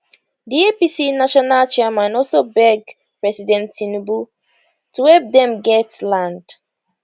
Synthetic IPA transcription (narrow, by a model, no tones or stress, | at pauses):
diepisinaʃɔnalt͡ʃɛamãnɔlsobɛɡ | pɹɛsidɛ̃ntːinubu | tuwɛp̚dɛ̃mɡɛtlãnd̥